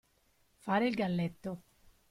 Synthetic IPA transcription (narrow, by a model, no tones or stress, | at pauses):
faːɾeilɡalːɛt̪ːo